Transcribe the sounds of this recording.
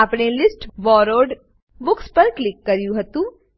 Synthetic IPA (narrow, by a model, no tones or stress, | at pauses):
apɽelɪsʈʋɔːɾoːɾɖ | bʊkspɐɾklɪkːɐɾjũɦɐt̪ũː